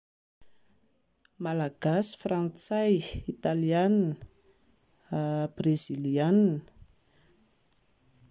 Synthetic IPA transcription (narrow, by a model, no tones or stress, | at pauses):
malaɡ̥asi̥frant͡sajit̪alian | b̥reziliann